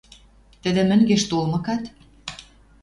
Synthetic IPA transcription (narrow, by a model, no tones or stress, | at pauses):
t̪ə̆d̪ĕmə̆ŋɡeʃt̪olmɤ̆kɑt̪